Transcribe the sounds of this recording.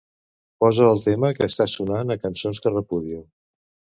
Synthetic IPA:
pɔzəːlˠt̪eməkəːst̪asunanəkənsonskərəpuðjo

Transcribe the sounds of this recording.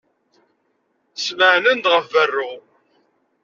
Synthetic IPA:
sməʕnənd̪ʁəvːərːu

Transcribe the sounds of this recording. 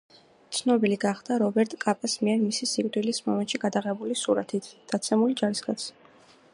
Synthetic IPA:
t̪sʰnɔbiliɡaχd̪̥aɾɔbɛɾt̪ʼkʼapʼasmiɛɾmisisikʼd̪wilismɔmɛnt̪ʃiɡad̪aʁɛbulisuɾa̰t̪ʰit̪ʰd̪̥at̪sʰɛmuld͡ʒaɾisɡʼat̪sʰ

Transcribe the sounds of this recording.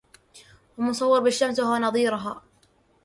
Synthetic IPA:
wamʊsˤɑwːɑɾbaʃːamsahwanɑðˤiːɾʊɦa̰ː

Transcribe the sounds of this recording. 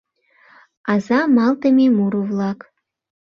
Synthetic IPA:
ɑzɑmɑlˠt̪ə̆mʲemuɾuvlˠɑk

